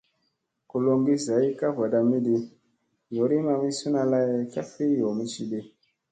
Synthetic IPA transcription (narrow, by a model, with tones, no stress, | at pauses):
ku˨lo˧ŋɡi˦za˨i˦ka˦va˨ɗa˨mi˦di˦ | jo˨ɾi˦ma˧mi˦su˦na˧la˦je˦ka˦fi˦jo˨mi˦ʃi˨ɗe˦